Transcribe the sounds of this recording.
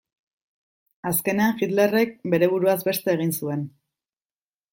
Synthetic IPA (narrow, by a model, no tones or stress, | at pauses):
aske̞ne̞aŋʝit̪le̞re̞k̚be̞ɾe̞β̞uɾuazbe̞st̪e̞ːɣ̞insue̞n